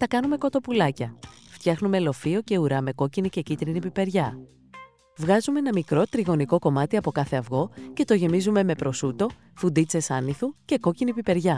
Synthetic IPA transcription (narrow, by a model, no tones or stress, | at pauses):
t̪ɐkɐnume̞ko̞t̪o̞pulɐcɐft̪çɐxnume̞lo̞fio̞ce̞uɾɐme̞ko̞cinice̞cit̪ɾinipipe̞ɾʝɐ | vɣɐzumeenɐmikɾo̞t̪ɾiɣo̞niko̞ko̞mɐt̪iɐpo̞kɐθe̞ɐvɣo̞ce̞t̪o̞ʝe̞mizume̞me̞pɾo̞sut̪o̞ | fund̪it͡se̞sɐniθuce̞ko̞cinipipe̞ɾʝɐ